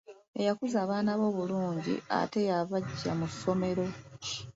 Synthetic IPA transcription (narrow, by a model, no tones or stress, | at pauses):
e̞jakuzaːβaːnaβo̞ːβuluːɲɟḭa̰te̞jaβaɟːa̰musːo̞me̞ɾo̞